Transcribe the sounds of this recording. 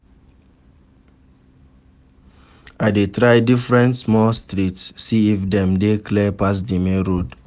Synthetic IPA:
aɪdetɹajdifɹɛ̃ntsmɔlstɹitsːiifdɛ̃mdekʰlɛpas̬dimeɹod

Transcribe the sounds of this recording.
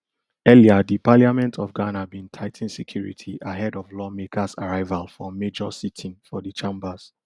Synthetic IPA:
ɛliadipaliamɛ̃ntʰɔvɡanabĩntʰaɪtʰĩnsekʰj̥uɹḭtʰiʔaɦɛdɔvlɔmekʰasaɹaɪvalfɔmed͡ʒɔsitʰĩnfɔdit͡ʃẽmbaz̥

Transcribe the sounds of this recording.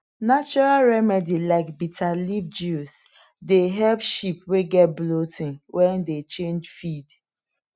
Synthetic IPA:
nat͡ʃɔɹalɹɛmɛdilaɪkbitʰalivd͡ʒus | deɦɛlpʃipweɡɛt̚blotĩŋwʔɛ̃ndet͡ʃẽnd͡ʒfid

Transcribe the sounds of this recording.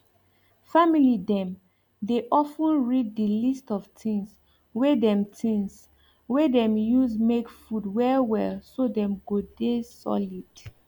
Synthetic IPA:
familidɛ̃m | deʔɔfũnɹid̚dilistɔvtʰĩŋs | wedɛ̃mtʰĩŋs | wɛdɛ̃mjuzmekfudwɛwɛlsodɛ̃mɡodesɔ̰lid̥

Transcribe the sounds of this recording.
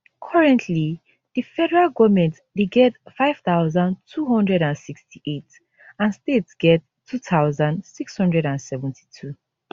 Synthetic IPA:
kʰɔɹɛ̃ntʰli | d̥ifɛɾəɹalɡɔvmɛ̃nt | deɡɛtfaɪv̥taʊzãntʰuɦɔ̃ndɹɛɾãnsikstʰiʔet | ãnstetsɡ̥ɛtʰːutʰaʊzãndsikshɔ̃ndɹɛɾãnsɛvɛ̃ntʰi̥tʰu

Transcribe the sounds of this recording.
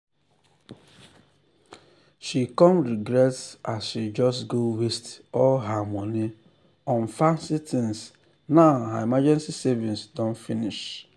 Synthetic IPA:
ʃikɔmɾiɡɾɛtsasʃid͡ʒɔstɡowestɔlɦamɔni | ɔ̃n̩fasitʰĩns | naʊɦaimad͡ʒɛ̃nsisevĩnsdɔ̃nfiniʃ

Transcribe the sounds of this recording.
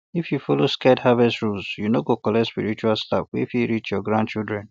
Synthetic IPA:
ifjufɔloskɛdhavɛstɹulsjunoɡokɔlɛspḭɹit͡ʃualstafwifjuɹit͡ʃjɔɡɹãn̚t͡ʃildɹɛ̃n

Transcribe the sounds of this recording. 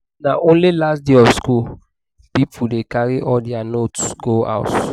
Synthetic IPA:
naʔõnlilasdeɔfskul | pipudekaɹiʔɔdɛanotsɡoa̰ʊt

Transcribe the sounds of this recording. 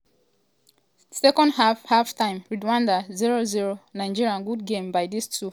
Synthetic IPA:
sɛkɔ̃ndhahaftãɪ̃mɹidwãndaziɹoziɹonaɪd͡ʒiɹiãnɡudɡẽmbajdistʰu

